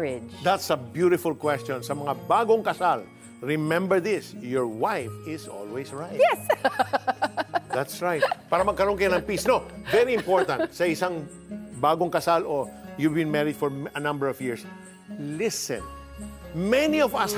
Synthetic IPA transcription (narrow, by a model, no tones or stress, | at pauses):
ɪd̪at̪sɐbjuɾɪfʊlkwɛst͡ʃɔ̃nsɐmɐŋabaːɡoŋkɐsal | ɹɪmɛ̃mbɛɹðɪsjɔɹwajfɪsɔ̰lwɛsɹajt | ðat̪sɹajt̪̚paːɾɐmɐɡ̚kɐɾonkɐjanɐŋpisnovɛɾiɪ̃mpoɹt̪ɐnt̪̚sɐɪsaŋ | baːɡoŋkɐsalʔojuvbɪ̃nmɛɹɪd̪̥̚fɔɹɐnɐ̃mbɛɹɔvjɪɹs | lɪsɛ̰̃n | mɛniɔvɐs